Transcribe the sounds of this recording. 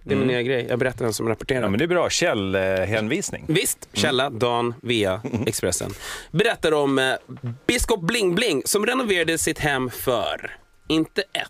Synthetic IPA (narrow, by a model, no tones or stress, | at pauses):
d̪ɛæɾmɪnːyːaɡɾɛjjɑ̰ɡbɛɾɛt̪ːad̪ɛnsɔmɾapɔʈʰeːɾamɛnd̪ɛbɾɑːɕɛlɦɛnviːsnɪ̰ŋvɪst̪ɕɛlːad̪ɑːnviːaɛkspɾɛsːə̰nbɛɾɛt̪ːad̪əɔmbɪskɔp̚blɪŋblɪŋsɔmɾɛnʊveːɾad̪əsɪt̪hɛmːfœ̰ɾ | ɪnt̪əʔɛt̪ː